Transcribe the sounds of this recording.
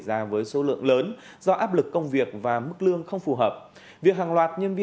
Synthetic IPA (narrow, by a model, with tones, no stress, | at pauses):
zaː˧vəː˨˦jso˨˦lɨ̰˧˨əŋləː˨˦n | z̥ɔ˧ʔaː˦˥p̚lɨ˨˩kːə˧wŋ͡mvi˨˩ək̚vaː˨˩mɨ˦˥k̚lɨ˧əŋxə˧wŋ͡mfu˨˩ɦəː˨˩p̚ | vi˨˩ək̚ɦaː˨˩ŋlwaː˨˩t̚ɲə˧nvi˧